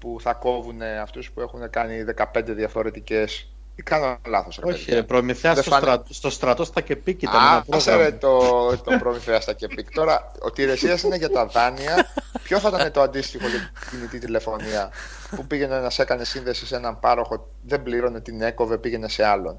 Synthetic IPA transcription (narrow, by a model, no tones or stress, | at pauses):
puθɐko̞vune̞ɐft̪uspue̞xune̞kɐniðe̞kɐpe̞nd̪e̞ðiɐfo̞ɾe̞t̪ice̞s | ikɐnɐnlɐθosɾɐopɾomiθeɐsest̪ost̪ɾɐt̪ost̪ɐcepiciɐapseɾet̪ot̪opɾomiθeɐst̪ɐce̞pikt̪o̞ɾɐ | o̰t̪iɾe̞siɐsine̞ʝɐt̪ɐðɐniɐço̞θɐt̪ɐnet̪oɐnd̪ist̪ixo̞ʝecinit̪it̪ile̞fo̞niɐ | pupiʝe̞nenɐse̞kɐne̞sinðe̞si̥se̞nɐmpɐɾo̞xo̞ | ðe̞mbliɾo̞ne̞t̪ine̞ko̞ve̞piʝe̞ne̞se̞ɐlo̞̰n